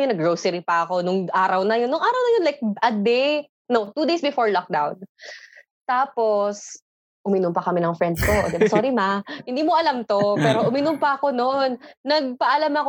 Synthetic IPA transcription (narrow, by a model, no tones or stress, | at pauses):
onɐɡɹowsɛɾipɐɐko̞nʊŋʔaːɾɐwnɐjonːʊŋʔaːɾɐwnɐjonlajk̚ʔɐd̪ɛj | nowt̪uːd̪ejsbɪfoɹlɔk̚d̪awn | t̪aːpo̞s | ʔʊmɪnʊmpɐkɐmɪnɐŋfɹɛnd̪skoʔd̪ɛbasɔɾimahɪnd̪iːmoʔɐlamt̪o̞pɛːɾo̞ʔʊmɪnʊmpɐʔɐko̞nonːɐɡ̚pɐʔɐlamɐk